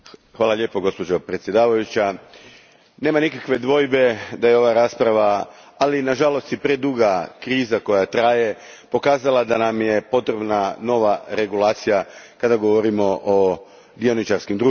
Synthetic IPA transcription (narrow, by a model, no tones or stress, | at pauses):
xʋaːlaʎe̞po̞ɡo̞spod͡ʑopɾet̪sjed̪aːʋajut͡ɕa | ne̞ːmanikakʋe̞d̪ʋo̞jbe̞d̪ajeo̞ʋaɾaːspɾaʋaː | linaʒalo̞st̪ipɾe̞d̪uɡakɾiːzako̞jat̪ɾaje̞ | po̞kaːzalˠad̪anamje̞po̞t̪ɾe̞bnano̞ʋaɾe̞ɡulˠaːt̪sijakad̪aɡo̞ʋo̞ɾimo̞ʔo | d̪io̞nit͡ʃaɾskimd̪ɾu